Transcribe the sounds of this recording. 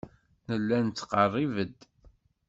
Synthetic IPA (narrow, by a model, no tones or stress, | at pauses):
nəlːænt̪ːqərˤːivəd̪